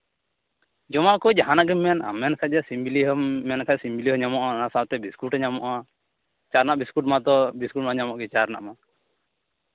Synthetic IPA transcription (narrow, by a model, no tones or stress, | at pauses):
d͡ʒɔmaʔkɔjd͡ʒaɦanaɡɛmːɛna̰mːɛnkʰad͡ʒɛsimbiliɦɔːɛnkʰasimbiliɦɔɲamɔʔanasawt̪ɛbiskuʈɲamɔʔa | t͡ʃaɾnaʔbiskuʈ̚mat̪ɔbiskuʈmaɲamɔʔɡɛt͡ʃaɾna̰ʔma